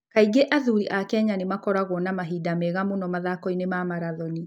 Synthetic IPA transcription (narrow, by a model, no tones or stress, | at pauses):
kaiɡeʔaðuɾiʔakɛɲanemakɔɾaɣɔnamaɦidamɛɣamonɔmaðakɔinemamaɾaðɔni